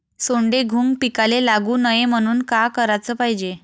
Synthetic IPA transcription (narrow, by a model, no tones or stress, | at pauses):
soɳɖeɡʱuːŋɡpikalelaɡuːnəjem̤əɽ̃uːnkakəɾat͡səːpaɦid͡ʑe